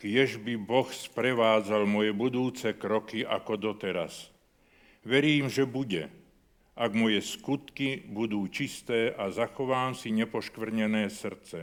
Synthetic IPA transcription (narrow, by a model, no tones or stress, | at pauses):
kjɛʒbibɔxspɾɛʋaːd͡zalmɔjɛbud̪uːt͡sɛkɾɔkiʔa̰kɔd̪ɔt̪ɛɾa̰s | ʋɛɾiːmʒɛbuɟɛ | ʔaɡmɔjɛskut̪kibud̪uːt͡ʃist̪ɛːʔazaxɔʋaːmsiɲɛpɔʃkʋr̩ɲɛnɛːsr̩t͡sɛ